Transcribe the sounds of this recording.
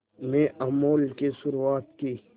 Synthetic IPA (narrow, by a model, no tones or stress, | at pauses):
mẽʔɐmoːlkesʊɾuaːt̪ki